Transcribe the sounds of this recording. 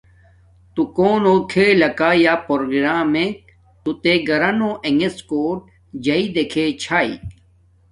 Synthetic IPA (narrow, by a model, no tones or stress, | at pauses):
t̪ukoːnoːkʰeːlɐkaːjaːpoɾoɡɾaːmẽk̚ | t̪ut̪eɡɐɾɐnoːʔeŋɡeskoːʈ̚ | d͡ʑɐid̪ekʰet͡ɕʰaːḭ